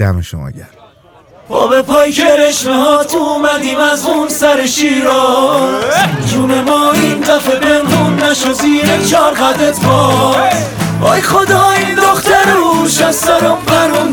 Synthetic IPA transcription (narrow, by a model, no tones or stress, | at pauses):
æ̰meʃo̰mɒ̰ːɟæɾ | bɒ̰ːbepʰɒːjkʰeɾeʃnehɒːt̪ʰuːmæd̪iːmæzunsæɾeʃiːɾɒː | d͡ʒuːnemɒːiːnd̪æfepʰenhuːnːæʃoziːɾet͡ʃʰɒːɾɣæd̪et̪bɒː | ojxod̪ɒːind̪oχt̪æɾeuʃæst̪æɾomfæɾun